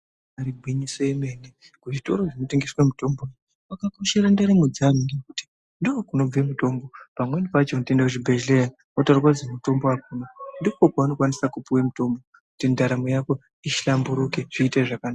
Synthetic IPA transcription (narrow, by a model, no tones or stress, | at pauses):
aɾiɡʱwiɲisojemene | kuʐito̞ɾo̞ʐino̞teŋɡiswemuto̞mboa | wakakuʃeɾandeɾimud͡zamiŋɡekuti̥ | ndokuno̞b͡vemuto̞mbo̞pamwenipat͡ʃontendakuʐibʱed͡ʒleni | otarakwad͡zemuto̞mbo̞ak̚unondikokaanokwanisakupuwemuto̞mbo̞ | kutindaɾamojako̞ | iʃambuɾukeʐ̥iːteʐakanaːa